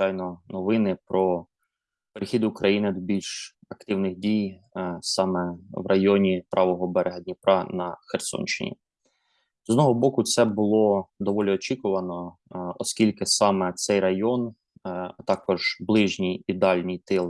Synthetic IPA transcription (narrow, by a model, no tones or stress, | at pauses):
t͡ʃɑjnɔnɔʋɪnɪpɾɔ | peɾɪxʲid̪ʊkɾɐjinɪd̪ɔbʲilʲʃ | ɐkt̪ɪwnɪɣdʲijsɑmɛʋrʔɐjɔnʲipɾʔɑʋɔɦɔbɛɾeɦɐd̪ʲnʲipɾɑnɐxersɔ̰nʲt͡ʃɪ̰nʲḭ | zɔd̪nɔɦɔbɔkʊt̪sɛbʊlˠɔd̪ɔʋɔlʲiɔt͡ʃikʊʋɐnɔɔskʲilʲkɪsɑmɛt̪sɛjɾɐjɔn | t̪ɑkɔʒblˠɪʒnʲijid̪ɑlʲnʲijt̪ɪlˠ